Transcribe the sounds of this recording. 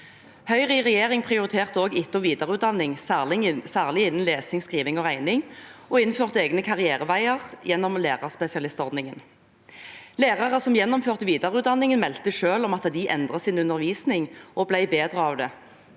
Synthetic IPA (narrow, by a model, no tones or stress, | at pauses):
hœʏʁiʁɛjeːʁɪŋpʰʁɪʊʁɪt̪ʰeːʁt̪əoːɡɪt̪ːɔʋiːd̪ɑʁəʉːt̪d̪ɑnːɪŋsæʁlɪsæːʁlɪɪnːənleːsɪŋskʁiːʋɪŋɔːæɪnɪŋɔɪnføːʁt̪əeːɡnəkʰɑʁɪeːʁəʋæɪəʁjɛnːɔmleːʁɑʁspɛsɪɑlɪst̪ɔʁd̪nɪŋən | leːʁɑʁəsɔmjɛnːɔmføːʁt̪əʋiːd̪ɑʁəʉːt̪d̪ɑnːɪŋənmɛlt̪əʃøːlɔmɑt̪d̪ɪʔɛnd̪ʁəsɪnʉnəʁʋiːsnɪŋʔɔblæɪbeːd̪ʁəɑːʋd̪ɛ